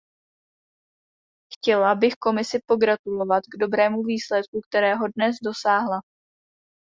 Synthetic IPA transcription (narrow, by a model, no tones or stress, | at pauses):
xcɛlabɪxko̞mɪsɪpo̞ɡɾat̪ulo̞vat̪ɡdo̞bɾɛːmuviːslɛt̪̚kuk̚t̪ɛɾɛːɦo̞dnɛzdo̞saːɦla